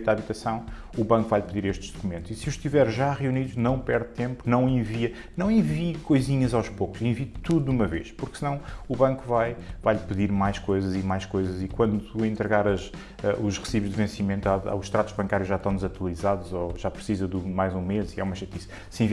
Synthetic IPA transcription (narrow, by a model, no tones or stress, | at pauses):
aβit̪ɐsɐ̃w̃uβɐ̃ŋkuvajʎpɨðiɾeʃt̪ʒd̪ukumẽnt̪uz̥isuʃt̪ivɛɾʒaʁiuniðunɐ̃w̃pɛɾðt̪ẽmpunɐ̃w̃ẽviɐ | nɐ̃w̃ẽvikojziɲɐzawʃpoku̥zẽvit̪uðumɐveʃpuɾksɨnɐ̃w̃uβɐ̃ŋkuvajvajʎpɨðiɾmajʃkojzɐzimajʃkojzɐzikwɐ̃nd̪ut̪uẽnt̪ɾɨɣaɾɐz | ɛʔuʒʁɨsiβuʒd̪ɨvẽsimẽnt̪aa̰wʃt̪ɾat̪uʒβɐ̃ŋkaɾjuʒat̪ɐ̃w̃d̪zɐt̪wɐlˠizaðuzɔʒapɾsizɐðumajzũmeziɛ̰umɐʃɐt̪isɐ | sẽv